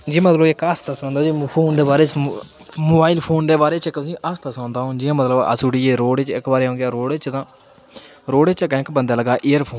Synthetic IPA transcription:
d͡ʒiːmət̪ləbɪkəst̪asãːnd̪aːd͡ʒiːpʰoːnd̪eːbaːɾeːt͡ʃ | moːbaːilpʰoːnd̪eːbaːɾeːt͡ʃɪkːt̪ʊsĩːʔəst̪asãːnd̪aːɦõːd͡ʒiːãːmət̪ləbə̰suːɽiːeːɾoːɽet͡ʃɪkbaːɾeːɦõːŋɡɪjaːɾoːɽet͡ʃt̪ãː | ɾoːɽeːt͡ʃɪkɛ̃ːkbənd̪aːləɡaːʔeːəɾpʰoːn

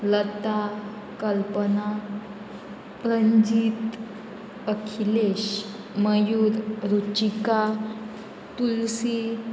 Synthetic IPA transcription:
lət̪a | kəlpəna | pɾəɲd͡ʑiːt̪ | əkʰileɕ | məjuːɾɾut͡ɕika | t̪ulsi

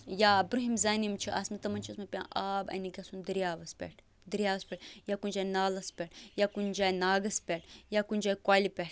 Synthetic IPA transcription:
jaːbɾuɦimzaːnimt͡ʃʰiʔɐ̰smɐt̪ɐmɐnʲt͡ʃʰɐsmɐpʲã̰ːʔaːbɐ̰niɡɐsund̪ɾijaːʋɐspʲɛ̰ʈʰ | d̪ɾʲjaːʋɐspʲɛʈjaːkunʲd͡ʒaːjnaːlɐspʲɛʈjaːkund͡ʒaːjnaːɡɐspʲɛʈʰjaːkunʲd͡ʒaːjkwaːlipʲɛʈʰ

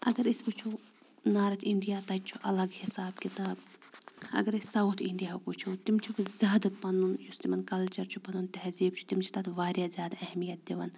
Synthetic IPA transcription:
ɐ̰ɡɐɾisbut͡ʃʰu | naːɾɐt̪ʰiɳɖijaːt̪ɐt͡ʃʰuʔɐ̰lɐɡhisaːbkit̪aːb | ɐ̰ɡɐɾisɐut̪ʰiɳɖijaːkut͡ʃʰut̪imt͡ʃʰubzʲaːd̪pɐnunjust̪imɐnkɐlt͡ʃɐɾt͡ʃʰupɐnunt̪ɛɦziːbt͡ʃʰu̥t̪imt͡ʃʰi̥t̪ɐt̪ʋaːɾjaːzʲaːd̪ɐhmijɐt̪̚d̪iʋɐ̰n

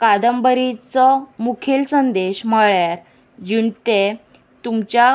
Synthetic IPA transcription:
kad̪əmbəɾit͡sɔmukʰelsənd̪eɕm̤əɭjaɾ | d͡ʑiɳt̪e | t̪umt͡ɕja

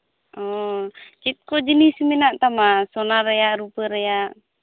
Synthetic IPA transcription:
ʔɔt͡ʃit̪̚kɔd͡ʒənisminaʔt̪amasɔnaɾajaʔɾupəɾejaʔ

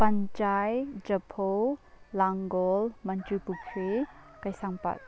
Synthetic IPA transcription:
pant͡ʃajd͡ʒəpʰo | laŋɡɔlmant͡ʃupukʰe | kajsaŋpa̰t̚

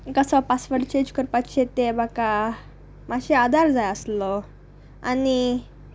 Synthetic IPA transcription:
kəsəpasʋəɾɖt͡ɕẽd͡ʑkəɾpaɕet̪ebaka | maɕead̪ʱaɾd͡zajəslɔ | a̰ni

